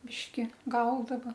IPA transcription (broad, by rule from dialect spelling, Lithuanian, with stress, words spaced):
ˈbʲɪʃʲkʲɪ ˈɡɐʊdɐʋɐ